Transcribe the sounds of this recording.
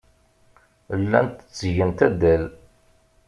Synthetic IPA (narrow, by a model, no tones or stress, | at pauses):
lːæ̰nt̪ə̥t͡sːʝənt̪æd̪æl